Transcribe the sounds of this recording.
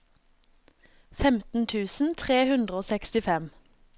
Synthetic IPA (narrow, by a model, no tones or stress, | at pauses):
fɛmt̪n̩t̪ʰʉːsn̩t̪ʰʁeːhʉnd̪ʁəoːsɛkst̪ɪfɛm